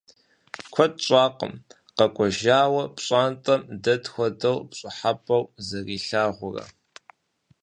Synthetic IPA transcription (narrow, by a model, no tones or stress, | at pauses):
kʷʰɔdt͡ʃʷʼaːqə̰m | qɐkʷʼɔʒaːwɐpɕʼaːntʼɐmdɐtxʷɔdɐwpɕʼɪħapʼɐwzɐriːɬaːʁʷʊrɐ̰